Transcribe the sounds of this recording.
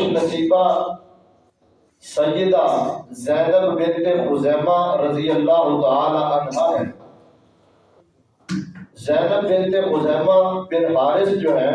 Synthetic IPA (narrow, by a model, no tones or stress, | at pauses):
nəsiːbaː | səjːəd̪aːzɛːnəbbɪnt̪eːɣʊzɛːmaːɾəd̪ɪjəlːaːɦʊt̪aaːlaːʔənɦaːɦɛn | zɛːnəb̚bɪ̃nt̪eːɣʊzɛːmaːbɪnɦaːɾɪsd͡ʒoːɦɛː